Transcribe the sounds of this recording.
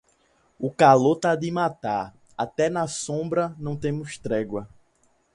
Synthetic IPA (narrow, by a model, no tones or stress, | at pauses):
ʊkaloɾt̪ad̪ɪmat̪aɾ | at̪ɛnɐsõbɾɐnɐ̃w̃t̪ẽmʊst̪ɾɛɡwɐ